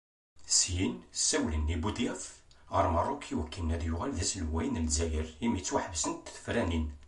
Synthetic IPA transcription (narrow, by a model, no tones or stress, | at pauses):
sjinsːæwlənːibud̪æfəɾˤmərˤʊkʰiwəkːənːæd̪jʊʁælðæsəlwæjnəlzæjəɾimit͡sːwaħəvsənt̪ːθə̥fɾænin